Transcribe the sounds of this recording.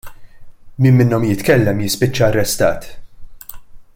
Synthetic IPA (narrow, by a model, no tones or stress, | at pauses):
miːmmɪnːɔmjɪt̪kɛlːɛmjɪspɪt͡ʃːɐɐrːɛst̪ɐ̰ːt̪